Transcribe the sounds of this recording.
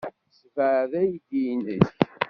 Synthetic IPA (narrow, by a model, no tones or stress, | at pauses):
svəʕðæjd̪ijnəsç